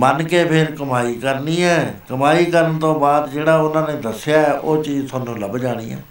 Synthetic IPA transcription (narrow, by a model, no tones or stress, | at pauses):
mənkeːpʰɪɾkəmaːiːkəɾniːɛːkəmaːiːkəɾənt̪õːbaːd̪d͡ʒeːɽaːʊnãːnẽːd̪əsɪjaːɛːʔoːt͡ʃiːzt̪ʰoːnːũːləbd͡ʒaːɽ̃ḭːɦɛ̰ː